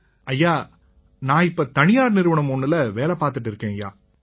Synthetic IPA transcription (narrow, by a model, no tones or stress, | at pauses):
ɐjːaː | nãːɪpːoːt̪ɐnɪjaːɾnɪɾɯʋɐɳɐmɔnːɪlɐʋeːlɛpaːɾt̪ɯʈːɪɾɯkːẽːja̰ː